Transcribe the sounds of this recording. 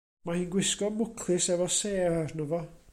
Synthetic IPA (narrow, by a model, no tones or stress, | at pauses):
mahiːnɡwɪskɔmʊkʰlˠɪsɛvɔseːarnɔvɔ